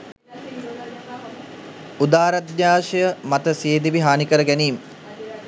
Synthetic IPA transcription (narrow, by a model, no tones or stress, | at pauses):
ud̪aːɾad̪jaːʃəjəmat̪əseːd̪iʋiɦaːnikəɾəɡæniːmə